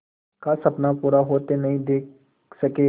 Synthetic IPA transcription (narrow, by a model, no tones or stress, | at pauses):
kasɐpnapuːɾaɦoːt̪enɐɦĩd̪eːk̚ | sɐkeː